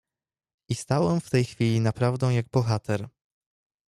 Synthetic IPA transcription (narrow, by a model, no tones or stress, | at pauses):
ist̪awɛmft̪ɛjxfʲilʲinapɾavd̪ɔ̃w̃jaɡ̚bɔxat̪ʰɛɾ